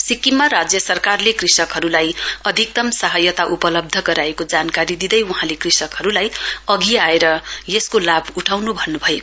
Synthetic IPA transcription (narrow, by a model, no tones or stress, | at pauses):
sikːimːaɾad͡zjʌsʌrkarlekrisʌkɦʌɾulajʌd̪ʱik̚t̪ʌmsʌɦʌjʌt̪aʔupʌlʌb̚d̪ʱʌɡʌɾaekod͡zankaɾid̪id̪ʌjuɦãlekrisʌkɦʌɾulajʌɡiaeɾʌjeskolabʱuʈʰawnubʱʌnːubʱʌek